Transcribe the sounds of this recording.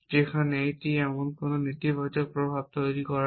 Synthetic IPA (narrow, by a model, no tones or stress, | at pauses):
zikʰanejtiɛmɔnkʊnonit̪ibɔjd͡ʒɔk̚pɹɔbʱab̚tojɹikɔɹa